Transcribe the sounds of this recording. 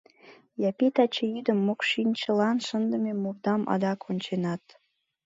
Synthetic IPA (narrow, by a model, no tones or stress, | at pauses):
jɑpit̪ɑt͡ɕejyd̪əmːokʃinʲt͡ɕəlɑnʃənd̪əmemurd̪ɑmʔɑ̰d̪ɑkʰonʲt͡ɕenɑt̪